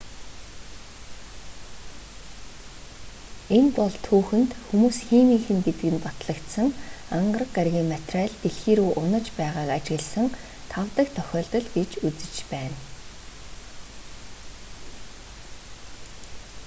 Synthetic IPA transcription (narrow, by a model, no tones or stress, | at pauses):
enpɔɮt̪ʰːuːxɘ̆nt̪xumuːsxemiːxɘ̆nɡet̪ɘ̆ɡɘ̆npat̪ɮə̆kt̪sə̆ŋaɴɢərə̆kɢaɾɣʲiːŋmat̪raɮt̪eɮxiːɾuːʔʊnə̆t͡ɕpæːʁaːkat͡ɕɣə̆ɮsə̆ŋ | t̪ʰawt̪ə̆k̚t̪ʰœxʲɔːɮt̪ɞ̆ɮɡet͡ɕut͡sɘ̆t͡ɕpæːn